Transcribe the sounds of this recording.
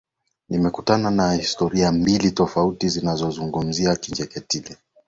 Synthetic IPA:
nimɛkutananahistɔɾiambilitɔfautizinazɔzuŋɡum̩ziakiɲd͡ʒɛkɛtilɛ

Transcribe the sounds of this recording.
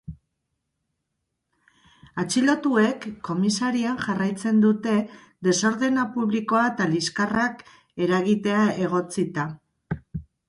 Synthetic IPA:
at͡ʃilo̞t̪ue̞kʰːo̞misaɾianʝarajt͡se̞nd̪ut̪e̞ | d̪e̞so̞ɾðe̞napuβliko̞aet̪aliskarak | e̞ɾaɣit̪e̞ae̞ɣ̞o̞t͡sit̪a

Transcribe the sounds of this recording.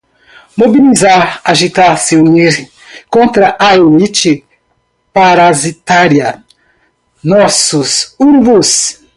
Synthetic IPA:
mobilizaɾaʒit̪aɾsiuniɾ | kõnt̪ɾɐʔaoit͡ʃɪ | paɾazit̪aɾjɐ | nɔsʊsunivus

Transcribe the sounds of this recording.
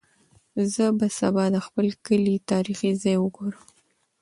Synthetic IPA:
zəbasabɑd̪əxpəlkəlit̪ɑɾixizɑjwəɡoɾəm

